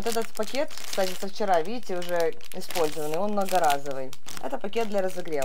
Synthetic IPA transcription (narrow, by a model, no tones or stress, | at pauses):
ot̪ɛt̪ət̪pɐkʲet̪kst̪atʲɪsəft͡ɕɪɾavʲidʲɪtʲɪʊʐɛ | ɪspo̞lʲzəvənːɨjo̞nmnəɡɐɾazəvɨj | ɛ̰t̪əpɐkʲe̞d̪̚d̪lʲɐɾəzɨɡɾʲe